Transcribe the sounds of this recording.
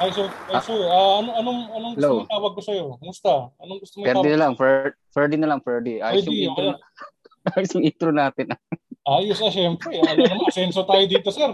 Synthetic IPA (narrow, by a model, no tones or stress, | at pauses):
ʔajsoasuaːʔɐnoɐnoŋɐnoŋɡɛlowmt̪aːwɐɡ̚kːosɐjokʊmʊst̪aɐnoŋɡʊst̪ompɛɾd̪ɪnɐlaŋfɛ | fɛd̪ɪnɐlɐŋfɛɹd̪iʔa̰ːjʊjʊŋitʊ | ʔaːjʊsjʊŋʔiːt̪ɾʊnaːt̪ɪnʔɐʔaːjʊsɐʃɛmpɾɛnɐmɐɐsɛnsot̪aːjod̪iːt̪osɛɾ